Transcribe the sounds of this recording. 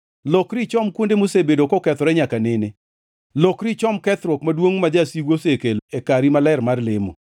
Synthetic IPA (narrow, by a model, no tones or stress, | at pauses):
lokɾit͡ʃɔmkwondemosebedokɔkɛt̪ɔɾɛɲakanɪne | lokɾit͡ʃɔmkɛt̪ɾokmadwoŋmad͡ʒasiɡosekeloekaɾimalɛɾmarlɪmo̰